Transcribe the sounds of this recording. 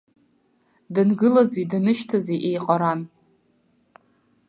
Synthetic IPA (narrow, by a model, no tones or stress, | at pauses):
dɨnɡɨlazidanɨʃtʰazeʔejqʼaɾan